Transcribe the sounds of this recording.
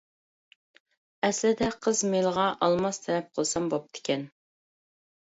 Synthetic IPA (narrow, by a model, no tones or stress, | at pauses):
ɛslɪd̪ɛqʰəzmelʁɑʔɑlˠmɑst̪ʰɛlɛp̚qʰəlˠsɑmbop̚t̪ʰɪ̥kʲɛn